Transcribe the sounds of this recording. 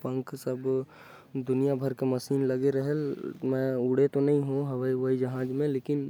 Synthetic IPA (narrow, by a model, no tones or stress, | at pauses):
pə̃ŋksɐb | d̪ʊnijabʱɐɾkemɐsiːnlɐɡeɾɐɦelmɛ̃ʊɽ̤et̪onɐɦĩɦũɦɐʋaiʋəid͡ʒɐɦãːd͡ʒmẽleːkɪn